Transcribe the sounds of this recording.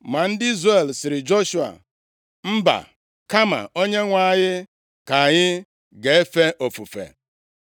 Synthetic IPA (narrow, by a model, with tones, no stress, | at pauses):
ma˨n̩˦dɪ˦i˦zre˨lsɪ˨ɾɪ˨d͡ʒo˦ʃu˨a̰˨ | m̩˦ba̰˨ | ka˦ma̰˨o˦ɲe˦ŋʷa˦˨˦ɲɪ˦ | ka˨ɲɪ˦ | ɡe˨e˦fe˦ʔo˨fu˨fḛ˨